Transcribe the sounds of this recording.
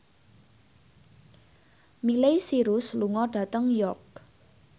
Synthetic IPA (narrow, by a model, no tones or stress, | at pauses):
milejsiɾʊsluŋɔɖ̥a̤t̪əŋjɔk̚